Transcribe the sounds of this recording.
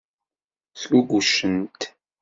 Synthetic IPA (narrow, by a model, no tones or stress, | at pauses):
θluɡʷuʃːənt̪